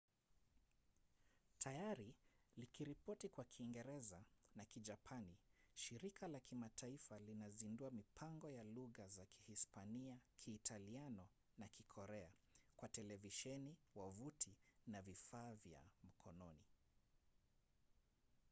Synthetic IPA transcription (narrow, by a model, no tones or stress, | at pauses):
tʰajaɾilikiɾipɔtikwakʰiːŋɡɛɾɛzanakid͡ʒapʰaniʃiɾikʰalakimatʰaifalinazinduamipʰaŋɡɔjaluɣazakʰi̥hispaniakʰiːtʰalianɔ | nakikʰɔɾɛakwatɛlɛviʃɛniwavutʰinavifaːvja̰m̩kʰɔnɔni